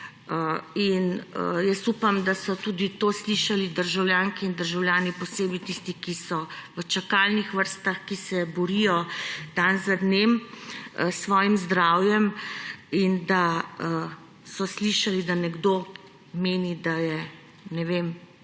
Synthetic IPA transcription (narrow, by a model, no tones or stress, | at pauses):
əinəjɛst̪uːpamd̪asɔt̪uːd̪it̪oːsliʃalid̪əɾʒawljaːŋkiind̪əɾʒawljaːnipɔseːbit̪ist̪ikisɔʋət͡ʃakalnixʋəɾst̪axkisɛbɔɾijɔd̪̥anzad̪neːməsʋɔːjimzd̪ɾaːwjɛm | ind̪aə | sɔsliʃalid̪anɛɡd̪o | meːnid̪ajɛ | nɛʋem